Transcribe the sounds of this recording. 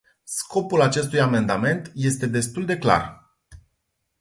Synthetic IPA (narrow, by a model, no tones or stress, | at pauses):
skʰo̞pulat͡ʃe̞st̪ujame̞nd̪ame̞nt̪je̞st̪e̞d̪e̞st̪uld̪e̞kla̰r